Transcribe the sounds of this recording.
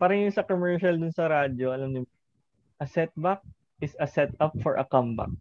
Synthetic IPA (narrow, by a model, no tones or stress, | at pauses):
paɾɐŋjʊŋsɐkomɛɹʃɐld̪ʊnsɐɾaːd͡ʒoʔɐlɐmnɪm | ʔɐsɛt̪̚bak̚ | ʔɪsɐsɛt̪ɐpfɔɹʔɐ̰kɐmba̰k̚